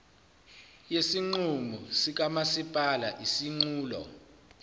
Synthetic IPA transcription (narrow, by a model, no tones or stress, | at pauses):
jesiŋ͡ǀumusik̬amasipʼalaʔisiŋ͡ǀuːlɔ̰